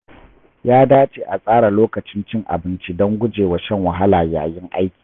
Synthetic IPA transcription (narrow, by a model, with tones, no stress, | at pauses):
jaː˦daː˦t͡ʃe˦ʔa˨sʼaː˦ɽa˨loː˦kɐ˨t͡ʃɪ˦nt͡ʃɪ˦ŋʔa̰˨bɪ˦nt͡ʃi˦dɔ˦ŋɡʷʊ˦d͡ʒeː˨wa˨ʃɐ˦ŋwɐ˨ɦa˦laː˨ja̰ː˨jɪ˦ŋʔa˦jkʲi̥ː˨